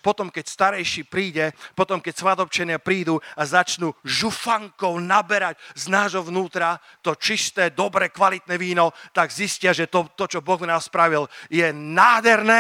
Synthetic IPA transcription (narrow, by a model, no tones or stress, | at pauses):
pɔt̪ɔmkɛcst̪aɾɛjʃiːpɾiːɟɛpɔt̪ɔmkɛcsʋad̪ɔp̚t͡ʃɛnɪapɾiːd̪uazat͡ʃnuʒufaŋkɔʊnabɛɾacznaːʒɦɔʋnuːt̪ɾa | t̪ɔt͡ʃist̪ɛd̪ɔbɾɛkʋalit̪nɛʋiːnɔt̪aɡziscɪaʒɛt̪ɔt̪ɔt͡ʃɔbɔɣmnaːmspɾaʋiljɛnaːd̪ɦɛɾnɛ